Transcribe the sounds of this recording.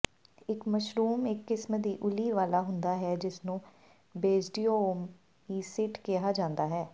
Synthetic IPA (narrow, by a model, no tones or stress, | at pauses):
ɪkməʃɾuːmɪkːɪsmd̪iːʔʊliːʋaːlaːɦʊnd̪aːɦɛːd͡ʒɪsnũː | beːd͡ʒɖiːooːm | iːsɪʈkɪɦaːd͡ʒãːnd̪aːɦɛː